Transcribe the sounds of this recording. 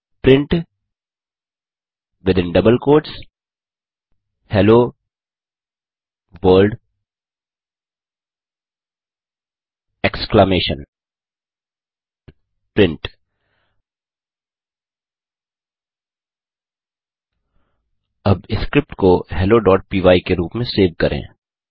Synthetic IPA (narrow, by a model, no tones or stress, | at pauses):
pɾɪ̃ɳʈ | ʋɪd̪ɪ̃nɖɐbəlkoːɾʈs | hɛloː | ʋəːlɖ | ɛksklameːʃə̃n | pɾɪ̃ɳʈ | ɐbɪskɾɪp̚ʈkohɛːloɖɔːʈ̚piːʋaːikeɾuːpmẽseːʋkɐɾʔḛ̃ː